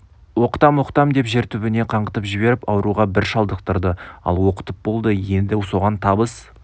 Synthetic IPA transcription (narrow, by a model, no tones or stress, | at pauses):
wo̞qə̥t̪ɑmwoqt̪ɑmd̪e̞pʒe̞ɾt̪ʉbɪne̞qʰɑɴʁət̪əpʒɪβe̞ɾɪpɑwəɾuʁɑbɪɾʃɑlˠd̪əqt̪əɾd̪əɑ̰lˠwo̞qə̥t̪əp̚bo̞lˠd̪əje̞nd̪ɪso̞ʁɑnt̪ʰɑbəs